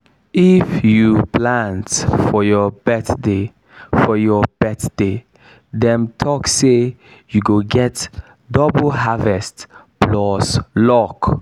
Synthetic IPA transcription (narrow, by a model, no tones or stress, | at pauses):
ifjupʰlãntfɔjɔbɛθde | fɔjɔb̥ɛθd̥e | dɛ̃mtʰɔksejuɡoɡɛt | dɔbl̩ɦavɛstplɔslɔk